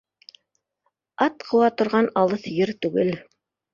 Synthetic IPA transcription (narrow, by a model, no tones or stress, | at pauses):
ɑt̪qʰɤ̆wɑt̪ŏɾʁɑnɑlˠɤθjɘɾt̪ʉɡɘl